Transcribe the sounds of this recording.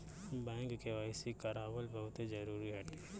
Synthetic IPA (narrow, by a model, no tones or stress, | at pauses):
bɛ̃ːŋkkeʋaːɪsikɐɾaːbəlbɐɦʊt̪d͡ʒɐɾuːɾiɦɛːʈe